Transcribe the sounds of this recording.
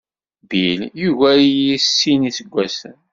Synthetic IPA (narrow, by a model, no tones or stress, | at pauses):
biljuɣæijisːinisəɡʷːæsən